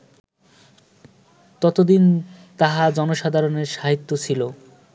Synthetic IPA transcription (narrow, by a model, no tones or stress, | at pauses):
t̪ɔt̪od̪int̪aɦad͡ʑɔnoʃad̪ʱaɾoneɾʃaɦit̪ːot͡ɕʰilo